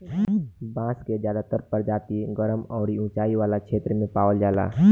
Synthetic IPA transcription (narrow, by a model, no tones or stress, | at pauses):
bãːsked͡ʒjaːd̪at̪əɾpəɾd͡ʒaːt̪iɡəɾəmɔːɾiũːt͡ʃaːiʋaːlakʃʰeːt̪ɾəmẽpaːʋəld͡ʒaːla̰